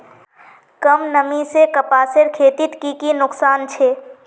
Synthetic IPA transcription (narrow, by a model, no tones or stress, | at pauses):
kəmnəmisekəpaːsɪɾkʰeːt̪ɪt̪kikinʊksaːnt͡ʃʰeː